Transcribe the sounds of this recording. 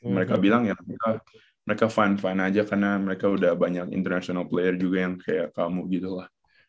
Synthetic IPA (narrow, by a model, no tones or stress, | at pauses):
məɾekabilaŋjaməeka | məɾekafanfanad͡ʒakarnaməɾekaudahbaɲakḭnt̪ərnasionalplejərd͡ʒuɡajaŋkajaʔkamuɡit̪ulah